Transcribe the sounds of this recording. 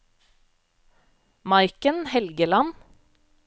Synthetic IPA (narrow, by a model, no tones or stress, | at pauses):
mɑɪkənhɛlɡəlɑn